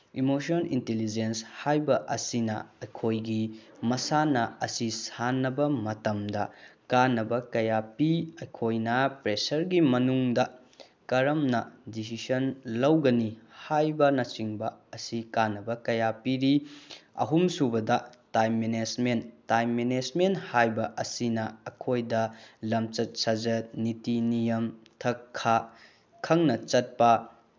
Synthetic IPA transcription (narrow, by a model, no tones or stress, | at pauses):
imosonintelid͡ʒenshajbɐʔɐsinɐ̰ɐjkʰojɡimɐsanɐɐsisanːɐbɐmɐtɐmdɐkanːɐbɐkɐjapiɐjkʰojnɐpɾesɐɾɡimɐnuŋdɐ | kɐɾɐmnɐdis̬isɐnlɐwɡɐnihajbɐnɐt͡ʃiŋbɐɐsikanːɐbɐkɐjapiɾiɐ̰ɦumsubɐdɐtajmːened͡ʒmentajmːened͡ʒmenthajbɐʔɐsinɐɐkʰojdɐlɐmt͡ʃɐt̚sɐd͡ʒɐt̚nitinijɐmtʰɐkʰːa | kʰɐŋnɐt͡ʃɐt̚pɐ